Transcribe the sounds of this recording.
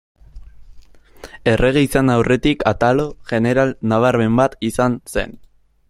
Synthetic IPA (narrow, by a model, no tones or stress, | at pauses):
e̞re̞ɣ̞eisanawre̞t̪ikat̪alo̞ʝe̞ne̞ɾalnaβaɾme̞mbat̪isanse̞̰n